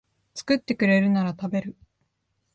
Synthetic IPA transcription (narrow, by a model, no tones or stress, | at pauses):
t͡sɨ̥kɯ̟t̪ːe̞kɯ̟ɾe̞ɾɯ̟naɾat̪abe̞ɾɯ̟